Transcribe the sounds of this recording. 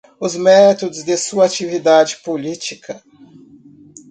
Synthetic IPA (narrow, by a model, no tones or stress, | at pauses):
ʊzmɛt̪od̪ʊzd̪esuɐat͡ʃivid̪ad͡ʒɪpolit͡ʃikʰɐ